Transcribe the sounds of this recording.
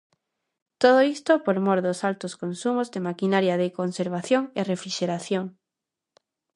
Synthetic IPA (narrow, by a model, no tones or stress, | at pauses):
t̪oð̞oist̪opoɾmoɾðosalt̪oskonsumozðemakinaɾjaðekonseɾβ̞aθjoŋerefɾiʃeɾaθjoŋ